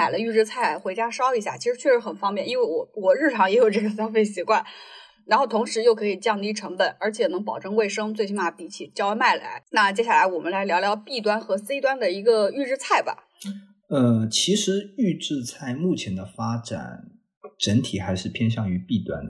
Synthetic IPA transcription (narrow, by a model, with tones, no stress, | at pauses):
na˨˩ɪlə˦y˥˧ʈ͡ʂɻ̩˥˧t͡sʰa˥˩ɪxwe˧˥ɪt͡ɕja˥ʂɑ˥ʊi˧˥ɕja̰˥˩t͡ɕʰi˧˥ʂɻ̩˧˥t͡ɕʰɥɛ˥˧ʂɻ̩˧˥xə˨˩nfɑ˥ŋpjɛ˥˩ni˥nwe˥˩ɪwɔ˨˩wɔ˨˩ɻɻ̩˥˩ʈ͡ʂʰɑ˧˥ŋjɛ˧˥jo˨˩ʊʈ͡ʂɤ˥˩ɡə˩ɕjɑ˥ŋfe˥˩ɪɕi˧˥kwa˥˩n | ɻa˧˥nxo˥˩ʊt̪ʰʊ˧˥ŋʂɻ̩˧˥jo˥˩ʊkʰɤ˧˥i˨˩t͡ɕɑ˥˧ŋi˥˩ʈ͡ʂʰɤ˧˥ŋbə˨˩˦nə˞˧˥t͡ɕʰjɛ˨˩nɤ˧˥ŋpɑ˨˩ʊʈ͡ʂɤ˥˧ŋwe˥˩ɪʂɤ˥ŋt͡swe˥˧ɪɕ̬i˥nma˧˩pi˨˩t͡ɕʰi˨˩t͡ɕjɑ˥ʊ˥ma˥˩ɪla̰˧˥ɪna˥˩t͡ɕjɛ˥ɕja˥˩la˧˥ɪwɔ˨˩mə˦nla˧˥ɪljɑ˧˥ʊljɑ˧˥ʊpi˥˩t̪̬wa˥nxɤ˧˥se˥ɪt̪wa˥nd̪ə˨i˧˥ɡə˧y˥˧ʈ͡ʂɻ̩˥˧t͡sʰa˥˩ɪbɐ̰˩ | ə˧t͡ɕʰi˧˥ʂɻ̩˧˥y˥˧ʈ͡ʂɻ̩˥˧t͡sʰa˥˧ɪmu˥˩t͡ɕʰjɛ˧˥nd̪ə˧fa˥ʈ͡ʂa̰˨˩˦n | ʈ͡ʂə˧˥nt̪ʰi˨˩xa˧˥ɪʂɻ̩˥˩pʰjɛ˥nɕjɑ˥˩ŋy˧˥pi˥˩t̪wa̰˥n